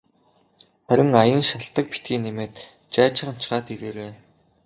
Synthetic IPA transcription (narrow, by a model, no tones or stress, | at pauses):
χæɾʲɪ̆ŋajə̆nʃaɬt̪ə̆k̚pi̥t̪ɡiːnemeːt̪ | t͡ɕaːt͡ɕɪ̆χə̆m̥t͡ɕɢaːt̪iɾeːɾeː